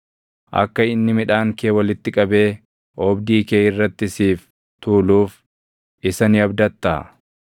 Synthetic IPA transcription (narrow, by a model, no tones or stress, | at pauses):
ʔɐ̰kːɐɪnːɪmɪᶑaːŋkeːwɐlɪt̪ːɪkʼɐbe̞ː | ʔɔːbd̪iːkeːɪrːɐt̪ːɪsiːf | t̪uːluːf | ʔɪsɐnɪɐbd̪ɐt̪ːa̰ː